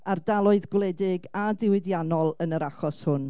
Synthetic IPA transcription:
ardalˠʊɨðɡwlˠɛdɪɡadɪwɪdjanɔlˠənəɾaχɔshʊn

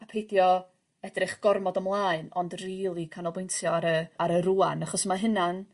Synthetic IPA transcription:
apʰejdjɔ | ɛdrɪχɡ̥ɔrmɔdəmlˠaɨnɔ̰ndriːlˠikʰanɔlˠbʊjntʰjɔaɾəaɾəɾuːanaχɔsmaɦɪnan

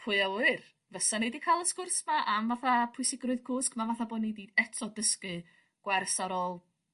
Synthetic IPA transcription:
pʰʊɨɛɨr | vəsanejdikʰaːlˠəskʊrsmaʔamvaθapʰʊjsɪɡrʊɨðkʰʊskmavaθaboːdnediɛtʰɔdəskɨ | ɡ̥wɛrsaɾoːlˠ

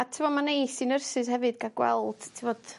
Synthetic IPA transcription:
atʰivɔmanejsinərsɨshɛvɨdɡaɡ̥wɛ̰lˠd̥tʰivɔd̥

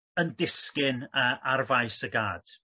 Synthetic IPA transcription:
əndɪskɪnəːʔarvajsəɡaːd̥

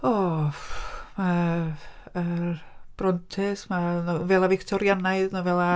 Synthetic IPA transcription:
ɔ | ma | əb̥rɔntʰɪsmanvɛlˠavɪktʰɔɾjanaɨðnɔvɛlˠa

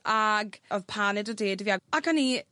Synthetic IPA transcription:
ʔaɡɔðpʰaːnɛdɔdeːdvjaɡakʰani

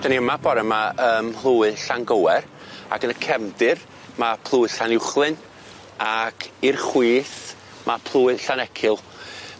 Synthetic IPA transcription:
d̥aniəmabɔɾɛmaəːmhlˠuːɨɬanɡəwɛr | a̰ɡənəkʰɛmdɨr | mapʰlˠʊːɨɬanɪwχlˠɨn | akʰirχwiːθ | mapʰlˠuːɨɬanɛkʰɪlˠ

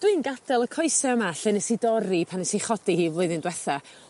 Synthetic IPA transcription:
d̥wiɨːnɡad̥ɛlˠəkʰɔɨsɛəmaɬɛnəsidɔɾipʰanəsiχɔd̥ihiːvʊɨðɪndwɛθa

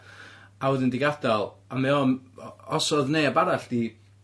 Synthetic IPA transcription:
awʊðɪndɪɡadɔlˠamɛɔnɔsɔðnejabaɾaɬd̥i

